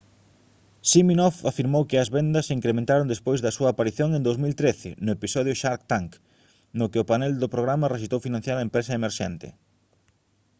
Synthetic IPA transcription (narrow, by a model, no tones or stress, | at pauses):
siminɔfafiɾmowkɪɐzβɛnd̪ɐsiŋkɾemẽnt̪aɾõnd̪espojzðɐsuɐːpaɾiθjoŋẽnd̪owzmilt̪ɾeθɪ̰nʊepisɔð̞jʊʃaɾkt̪aŋk | nʊkɪʊpanɛld̪ʊpɾoɣ̞ɾamɐreʃ̬ist̪owfinãn̟θjaɾɐempɾesɐemeɾʃɛnt̪ɪ̰